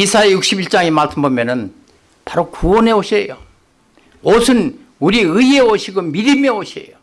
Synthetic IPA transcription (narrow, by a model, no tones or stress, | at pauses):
isʰaejuk̚ɕ͈ibiɭt͡ɕ͈aŋemaɭsʰɯnbomjʌnɯn | paɾokuwʌne̞oɕʰejo | osʰɯn | uɾiɯieoɕʰiɡomiɾɯmjʌoɕʰḛjo